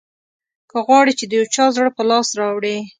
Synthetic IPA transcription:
kəɣwɑɽit͡ʃed̪əjawt͡ʃɑzɽpəlɑsɾɑwɽe

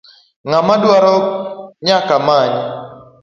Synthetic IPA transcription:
ŋamadwaɾɔɲakamaɲ

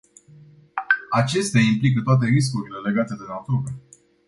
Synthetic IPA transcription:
at͡ʃe̞st̪eaimplikət̪oat̪̬e̞ɾis̬kuɾile̞le̞ɡat̪e̞d̪e̞nat̪oɾe

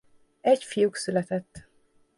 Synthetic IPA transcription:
ɛcfijuksylɛt̪ɛt̪ː

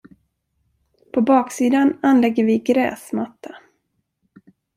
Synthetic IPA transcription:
pʰɔbɑːksiːd̪ananlɛɡːəɾvɪɡɾɛ̰ːsmat̪ʰːa

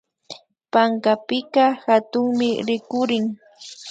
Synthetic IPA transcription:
paŋkapɪkɑhat̪ʊŋmɪɾɪkʊɾɪŋ

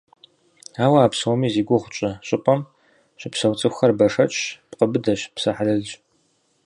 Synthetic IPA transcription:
aːwɐaːpswɔmiːziːɡʷʊʁʷʊt͡ʃʼɐɕʼɪpʼɐm | ɕʼɪpsɐwt͡sʼɨxʷxɐrbɐʂɐt͡ʃʼpqəbɨdɐɕpsɐħalɐɮd͡ʒ

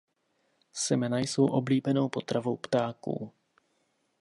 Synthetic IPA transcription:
sɛmɛnajso̞wʔo̞bliːbɛno̞wpo̞t̪ɾavo̞wpt̪aːkṵː

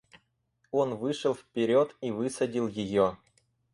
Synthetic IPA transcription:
onvɨʂɨlˠfʲpʲeɾʲot̪ivɨsɐdʲilˠjɪjo

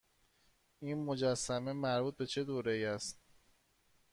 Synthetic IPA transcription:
iːnmo̞d͡ʒæsːæme̞mæɾbuːt̪̚be̞t͡ʃʰe̞d̪oːɾejæst̪

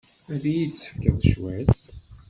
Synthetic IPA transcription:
æðijit͡sːə̥fkːəðˤʃwæt̪

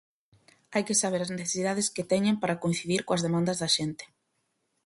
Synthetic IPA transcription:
ajkɪsaβeɾazneθe̥siðað̞esket̪ɛɲẽmpaɾakoin̟θiðiɾkoɐzðemãnd̪ɐzðɐʃent̪e̥

